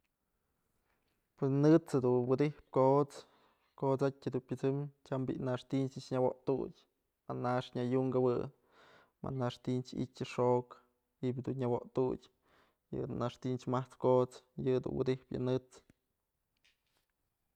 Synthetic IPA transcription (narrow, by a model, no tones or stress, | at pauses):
pɨnɨt͡shɨd̪unwɨd̪ihp̚kot͡s | kot͡satʲɨd̪unpʲɨt͡sɨmt͡ʃambḭʔnaʂt̪int͡ʃɨt͡ʃɲawo̰ʔt̪utʲ | maʔnaʂɲajuŋɡawɨ̰ | ma̰ʔnaʂt̪int͡ʃḭtʲɨʂok | ibʲd̪unɲawoʔt̪udʲ | jɨ̰naʂt̪int͡ʃmaht͡skot͡sjɨd̪ṵnwɨ̰d̪ihpjɨ̰nɨt͡s